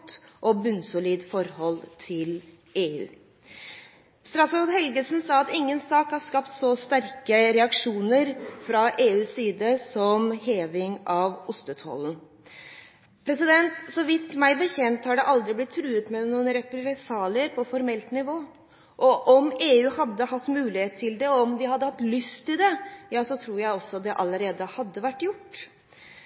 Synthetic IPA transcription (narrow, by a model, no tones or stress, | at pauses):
t̪ʔɔbʉnsʊliːd̪fɔɾhɔlt̪ʰɪl | eːʉ̰ː | st̪ɾɑsɑd̪ɦɛlɡəsn̩sɑːɑt̪ɪŋːənsɑːkhɑskɑpt̪sɔst̪æɾkəɾɛɑkʂuːnəɾfɾɑʔeːʉːsiːd̪əsɔmheːʋɪŋɑʋʊst̪ət̪ʰɔ̰ln̩ | pʰɾɛsɪd̪ɛnt̪sɔʋɪt̪mæɪbəçɛnt̪hɑɖɛʔɑld̪ɾɪblɪt̪ʰːɾʉːət̪mɛnuːənɾɛpɾɛsɑːləɾpʰɔfɔɾmɛlt̪nɪʋoː | ʔɔʔɔmeːʉːhɑd̪ːəhɑt̪ːmʉːlɪheːt̪ʰːɪld̪ɛɔɔmd̪ɪhɑd̪ːəhɑt̪ːlʏst̪ɪld̪ɛjɑːsɔt̪ʰɾuːɾjæɪɔsːɔd̪ɛʔɑləɾeːd̪əhɑd̪ːəʋæʈːjʊʈː